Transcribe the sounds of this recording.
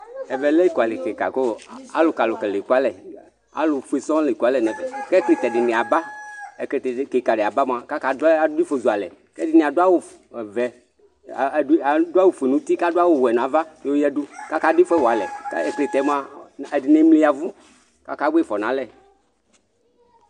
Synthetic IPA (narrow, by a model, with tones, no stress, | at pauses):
ɛ˨vɛ˨lɛ˦i˦ku˨a˨le˨ke˨ka̰˨ko˦˨a̰˦lʊ˨ka˨lʊ˨kɛ˨le˨ku˦a˦lɛ˨ | a̰˦lʊ˨fu˦e˨sɔ̃˦le˨ka˨˦lɛ˨nɛ˨vɛ˨kɛ˦kli˦˨t̪ɛ˨ɖɪ˨nẽ˨a˨ba˦ɛ˨ktke˨ka˨ɖɪ˨a˨ba˦mo˨a˨ka˦ka˨da˨ʊ˦i˦fo˨zu˨a˨lɛ˨ | kɛ˦dɪ˨nĩ˨a˨do˦a˦wo˨ | vɛ˨˦˨ | da˦wo˨fe˨nũ˦t̪i˦ka˦dʊ˦a˦wo˨wɛ˨n˨ã˨va˦n˦o˦jɛ˦dʊ˦ka˦ka˦di˦fɛ˦wa˨lɛ̰˨˦ɛ˨kle˨t̪ɛ˨˦m˦a˨ɛ˨dɪ˨ne˨˦mli˦a˨vu˦ | ka̰˦ka˦be˦fɔ˨nã˨˦lɛ˦˨